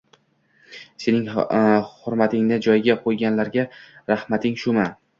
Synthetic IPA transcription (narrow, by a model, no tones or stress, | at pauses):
se̞nɪŋhʊɾmat̪ʰɪŋnɪd͡ʒɒjɡʲaqʰojɡʲanlaɾɡʲaɾahmat̪ʰɪŋʃʊma